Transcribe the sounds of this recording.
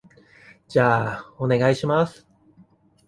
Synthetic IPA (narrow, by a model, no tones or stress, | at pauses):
d͡ʑaːone̞ɡaiɕimas